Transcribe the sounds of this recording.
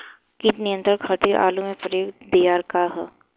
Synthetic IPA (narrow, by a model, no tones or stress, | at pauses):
kitnɪjə̃nt̪ɾəɾkʰaːt̪iɾʔa̰ːlũmẽpəɾjoːkd̪ijaːɾkaɦɛ